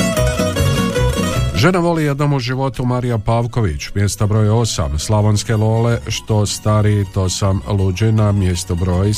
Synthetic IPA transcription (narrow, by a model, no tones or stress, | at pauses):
ʒe̞naʋo̞lije̞d̪no̞muʒiʋo̞t̪umaɾijapaːʋko̞ʋit͡ɕmje̞st̪abɾo̞ːjo̞sa̰mslˠaʋonske̞lo̞ːle̞ʃt̪o̞st̪aɾit̪o̞samlud͡ʒinamjest̪obɾo̞j